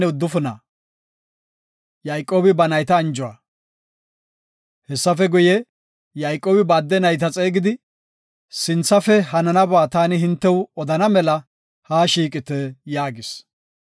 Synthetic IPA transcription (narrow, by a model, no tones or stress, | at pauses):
ɛʊd̪ːʊfʊnɐ̰ | jɐjkʼːoːbɪbɐnɐjt̪ɐːnd͡ʒʊwɐ̰ | hɛsːɐfɛɡʊjɛ | jɐjkʼːo̞ːbɪbaːd̪ːɛnɐjt̪ɐt͡sʼeːɡɪd̪ɪ | sɪnt͡sːɐfɛhɐnɐnɐbaːt̪aːnɪɦɪnt̪ːɛwɔd̪ɐnɐmɛlɐ | haːʃiːkʼɪt̪ɛjaːɡɪs